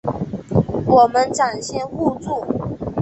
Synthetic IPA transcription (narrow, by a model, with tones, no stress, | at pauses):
wɔ˨˩mə˦nʈ͡ʂa˨˩nɕjɛ˥˧nxu˥˧t͡su˥˩